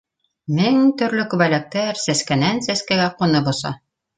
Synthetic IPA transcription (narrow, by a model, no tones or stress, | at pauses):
mɘŋt̪ɵ̆ɾlɵkʉβælæk̚t̪æɾsæskænænsæskæɡæqŏnɤbŏsɑ̰